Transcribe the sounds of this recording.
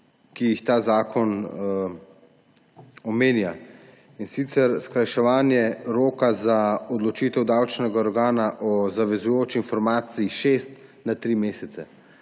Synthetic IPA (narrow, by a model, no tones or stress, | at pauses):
kijixt̪aːzaːkʰɔn | ɔmeːnja | insiːt̪sɛɾskɾajʃɛʋaːnjɛɾoːkazaɔd̪lɔt͡ʃiːt̪ɛwd̪awt͡ʃnɛɡaɔɾɡaːnaʔɔzaʋɛzujoːt͡ʃiːnfɔɾmaːt̪siiʃest̪nat̪ɾimeːsɛt̪ɛ